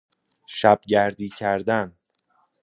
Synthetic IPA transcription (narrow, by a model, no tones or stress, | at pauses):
ʃæb̥ɟæɾd̪iːcʰæɾd̪æn